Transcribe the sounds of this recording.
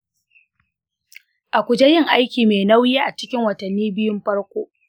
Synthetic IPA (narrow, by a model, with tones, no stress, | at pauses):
ʔa˨kʷʊ˨d͡ʒe˦jɪ˦˨ŋʔa˦jkʲiː˨meː˨na˦wjiː˦ʔa˨t͡ʃɪ̥˦kʲɪ˦ŋwɐ˨tɐ˨nːiː˦bɪ˦jʊ˦mɸɐ˦ɽkʷoː˦ʔ